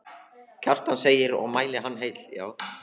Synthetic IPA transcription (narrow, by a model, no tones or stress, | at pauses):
cʰar̥t̪anseːjɪɾɔ̰ɣmaːjlɪɦanːɦeːjt̪l̥ja̰ːw